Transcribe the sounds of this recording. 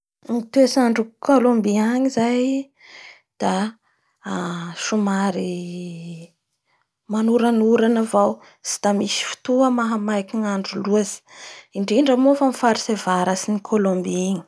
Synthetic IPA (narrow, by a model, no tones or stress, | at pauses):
nit̪uesaɳɖ͡ʐukʰolombiaɲizaj | d̪̥a | ʃumaɾi | manuɾanuɾanavaw | si̥d̪amisi̥fi̥t̪uəmaɦamajkiŋaɳɖ͡ʐuluazi̥iɳɖ͡ʐiɳɖ͡ʐamofəmifaɾisevaɾasinikʰolombiiɲi̥